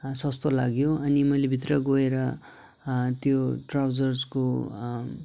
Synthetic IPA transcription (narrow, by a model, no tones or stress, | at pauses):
sʌst̪olaɡjoʌnimʌjlebʱit̪rʌɡoeɾʌ | t̪joʈrawd͡zʌrd͡zko